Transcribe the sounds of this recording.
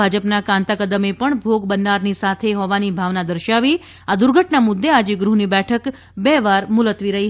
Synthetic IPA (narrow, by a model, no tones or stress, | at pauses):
ad͡ʒəpnakãnt̪akəd̪əmepəɳbʱoɡbənːaɾnisat̪ʰeɦɔʋanibʱaʋnad̪əɾʃaʋi | ad̪ʊɾɡʱəʈnamʊd̪ʱːead͡ʒeɡɾuɦnibɛʈʰək | bɛʋaɾmʊlət̪ʋiɾəɦi